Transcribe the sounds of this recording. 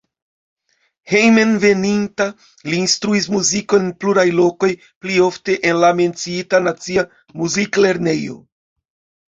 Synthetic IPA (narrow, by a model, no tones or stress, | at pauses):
hejmenve̞ninta | liːnstɾuis̬muziko̞enpluɾajlo̞ko̞j | plio̞fte̞ʔenlame̞nt͡siitanat͡sia | muzikle̞ɾne̞jo̞̰